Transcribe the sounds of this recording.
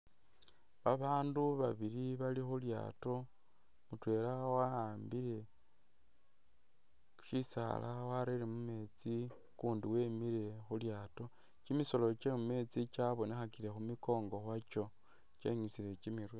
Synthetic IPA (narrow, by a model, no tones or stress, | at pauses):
βaβaːnduβaβiɾiβalixulja̰ːto̞ | mutwe̞ːlawaaːmbiɾe̞ | uʃisa̰lʔa̰waɾelemume̞t͡si | kuːndiwe̞ːmiɾe̞xuljaːto̞ | t͡ʃimiso̞lo̞t͡ʃemume̞t͡sit͡ʃaβo̞nexakiɾe̞xumiko̞ːŋɡo̞xwat͡ʃo̞ | t͡ʃḛɲut͡siɾe̞t͡ʃimiɾwe